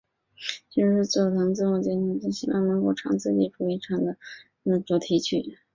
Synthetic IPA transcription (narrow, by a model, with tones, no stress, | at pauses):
t͡ɕi˥˧˥ʂɻ̩˥˧t͡sɔ˥˩˨t̪ʰɑ˧˥ŋt͡sɹ̩˥˧wɔ˥˩t͡ɕjɛ˥nʈ͡ʂɑ˥t͡ɕi˥˩ɕi˧˥wɑ̰˥˩ŋnə˧˥ŋko˥˩ʊʈ͡ʂʰɑ̰˧˥ŋt͡sɹ̩˥˧t͡ɕi˨˥˩ʈ͡ʂʰu˧˥i˧˥ʈ͡ʂʰɑ˨˩ŋd̪ə˧ | na˥˩t͡sɔ˧˥t̪ʰi˧˥t͡ɕʰy̰˥˩